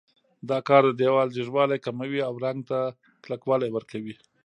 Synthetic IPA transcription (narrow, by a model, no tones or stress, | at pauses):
d̪ɑkɑɾd̪əd̪ewɑld͡ʒɪʒwɑlajkamawiawɾaŋɡ̚t̪a | klakwɑlajwəɾkawi